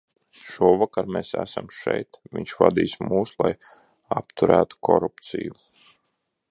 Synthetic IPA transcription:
ʃuɔvakaɾmesæsamʃɛjt̪viɲʲʃvad̪iːsmuːslˠaj | apt̪uɾæːt̪u̥kʰɔɾupt̪sḭju

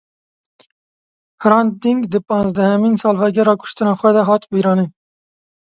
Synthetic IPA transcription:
hɾɑːnd̪iŋɡd̪ɨpɑ̃ːnzd̪æhæminsɑːlvæɡɛɾɑːkʰʊ̥ʃt̪ɨnɑːxʷwɛd̪ɛɦɑːt̪biɾɑːni

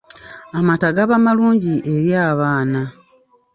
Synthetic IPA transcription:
amataɡaβamaluːɲɟiʔe̞ɾjaːβaːna

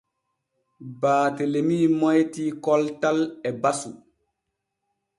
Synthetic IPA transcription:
baːtelemiːmɔjtiːkɔltalɛbasu

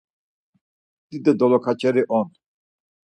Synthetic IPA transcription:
d̪̥id̪ɛd̪ɔlɔkʰat͡ʃʰɛɾiʔɔn

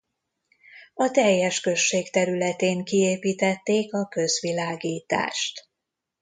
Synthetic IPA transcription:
ɒt̪ɛjːɛʃkø̞ʃːeːkt̪ɛɾylɛt̪eːŋkieːpiːt̪ɛt̪ːeːkɒkø̞zʋilaːɡiːt̪a̰ːʃt̪

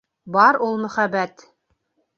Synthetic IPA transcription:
bɑɾulˠmɵ̆χæbæt̪

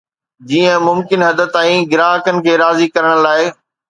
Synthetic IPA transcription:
d͡ʑiːə̃mʊmkɪnɦɐd̪ət̪aːĩɡɪɾaːɦkənɪ̆kʰeːɾaːzikɐɾəɽ̃laːɪ

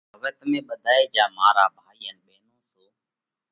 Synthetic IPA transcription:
əʋɛːt̪mẽːɓəd̪ʱaːeːd͡ʒaːmaːɾaːbʱaːiːənɓeːnõːsoː

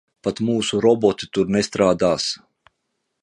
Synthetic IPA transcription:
pat̪muːsuɾɔbɔt̪it̪uɾnest̪ɾaːd̪aːs

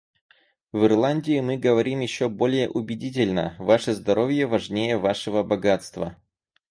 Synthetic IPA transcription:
vɨrlˠanʲdʲɪɪmɨɡəvɐɾʲimjɪɕːobo̞lʲɪjəʔʊbʲɪdʲit̬ʲɪlʲnə̰vaʂəzd̪ɐɾo̞vʲjəvɐʐnʲejəvaʂəvəbɐɡat̪st̪və̰

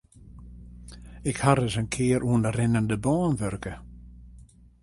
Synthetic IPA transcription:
ɪkhaɾəsənkʰɪəɾʔuəndərɪnəndəbɔːnʋørkə

